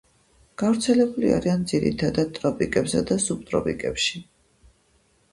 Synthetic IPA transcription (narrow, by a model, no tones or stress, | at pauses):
ɡ̥avɾt̪sʰɛlɛbulia̰ɾiand̪ziɾḭt̪ʰad̪ad̪̚t̪ʼɾɔpʼikʼɛbsad̪asub̚t̪ʼɾɔ̰pʼikʼɛpʃi